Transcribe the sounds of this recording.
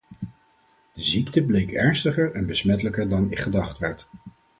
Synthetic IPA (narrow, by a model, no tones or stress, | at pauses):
d̥əziktəblejkɛɹnstəχəɹɛnbəsmɛtələkəɹdɑnɪ̰kχədɑχtʋɛɹt